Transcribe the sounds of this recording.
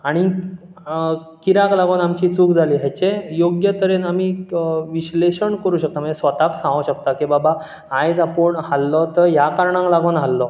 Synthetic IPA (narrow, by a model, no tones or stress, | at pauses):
aɽ̃i | kiɾaklaɡoːnamt͡ɕiːt͡suːkd͡zʱaliːɦat͡ɕejoɡjət̪əɾenamiʋiɕleɕəɳkəɾuːɕək̚t̪amənd͡zesʋət̪aksãŋɡoɕək̚t̪akibaba | ajd͡zapəɳɦalːɔt̪əɾjakaɾɳãŋklaɡonɦalːɔ